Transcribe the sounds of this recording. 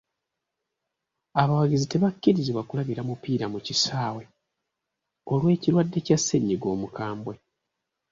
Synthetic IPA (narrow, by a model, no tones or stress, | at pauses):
aβawaɡizite̞βakːiɾiziβwakulaβiɾamupiːɾamucisaːwe̞ | o̞lwe̞ːciɾwadːe̞casːe̞ɲːiɡo̞ːmukaːmbwe̞